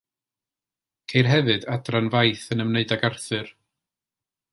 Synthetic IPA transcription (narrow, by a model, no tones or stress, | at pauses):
kʰejrɦɛvɨdadranvajθənəmneɨdaɡarθɨr